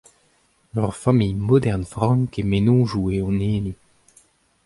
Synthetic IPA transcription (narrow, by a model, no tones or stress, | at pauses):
lœʁfamijmɔd̪ɛʁnfʁɑ̃ŋkemenɔ̃ːʒueɔ̃neːni